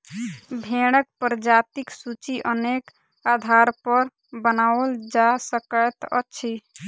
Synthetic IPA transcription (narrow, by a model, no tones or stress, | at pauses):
bʱeɽ̃ək̚pɾd͡ʒat̪iksut͡ʃiʔənek | ad̪ʱaɾpəɾ | bənaəld͡ʒasəkət̪ə̰t͡ʃʰi